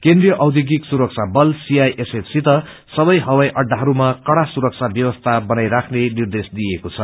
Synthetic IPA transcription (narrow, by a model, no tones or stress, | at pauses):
kend̪rijʌʔʌwd̪ʱjoɡiksuɾʌk̚t͡sʰabʌlsiajʔesepsit̪ʌ | sʌbʌjɦʌwajʔʌɖːaɦʌɾumakʌɽasuɾʌk̚t͡sʰabjʌwʌst̪ʰabʌnajɾakʰnenird̪esd̪ijekot͡sʰʌ